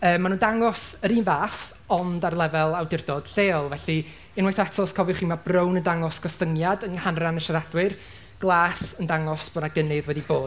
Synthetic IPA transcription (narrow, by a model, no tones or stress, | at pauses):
əːmːanuːndaŋɔsəɾiːnvaːθ | ɔndarlˠɛvɛlˠawdɪrdɔd̥ɬeːɔlˠvɛɬi | ɪnwejθɛtʰɔskʰɔvjwχiːmabrəwnəndaŋɔsɡ̥ɔstəŋjadənhanranəʃaɾadwɨr | ɡ̥lˠaːsəndaŋɔsb̥onaɡənɪðwɛdiboːd̥